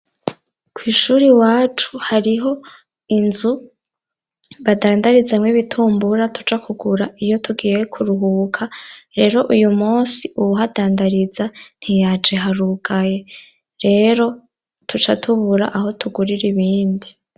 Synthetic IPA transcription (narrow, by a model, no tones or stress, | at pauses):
kʰwiːʃuːɾiwaːt͡ʃu̥haɾiɦo̞ | inzu | βadaːndaɾizamŋwiβitʰuːmbuɾatu̥t͡ʃakʰuɡuɾaʔijo̞tʰuɡiːje̞kʰuɾuɦuːkʰaɾe̞ɾo̞ʔujumuːsiuβuɦadaːndaɾizan̥hijaːt͡ʃeɦaɾuɡaje̞ | ɾe̞ɾo̞ | tʰut͡ʃatʰuβuɾa̰ʔaho̞tuɡuɾiɾiβiːndi